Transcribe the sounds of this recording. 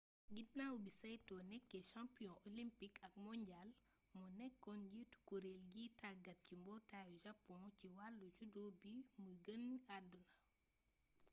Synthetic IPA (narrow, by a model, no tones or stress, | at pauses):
ɡidnawubisɐjtɔnɛkːɛʃãmpijɔ̃ʔɔlimpikɐk̚mɔɲɟal | mɔnɛkːɔnɟitu̥kuɾelɡitaɡɐt̚cimbɔtajuʒɐpːɔ̃ciwalːut͡ʃudɔbiməɡənadunɐ